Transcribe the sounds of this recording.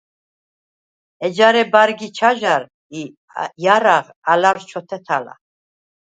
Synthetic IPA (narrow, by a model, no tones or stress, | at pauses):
ɛd͡ʒaɾɛbaɾɡit͡ʃʰaʒaɾ | i | jaɾaʁ | alaɾt͡ʃʰɔt̪ʰɛt̪ʰala̰